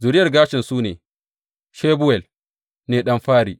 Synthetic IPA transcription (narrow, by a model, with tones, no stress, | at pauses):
zʊː˨ɾɪ˦jɐ˨rɡaː˦ʃɪ˨nsuː˦neː˨ | ʃeː˦bʊ˦wɛ˨l | neː˨ɗɐ˦mɸaː˦ɾḭː˨